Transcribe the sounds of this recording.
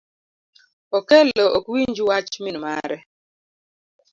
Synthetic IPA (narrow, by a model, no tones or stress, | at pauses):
ɔkɛlɔʔokwiɲd͡ʒiwat͡ʃminmaɾɛ